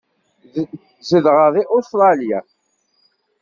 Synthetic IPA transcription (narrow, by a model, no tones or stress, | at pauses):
zəðʁəðˤiʔost̪ɾˤɑlja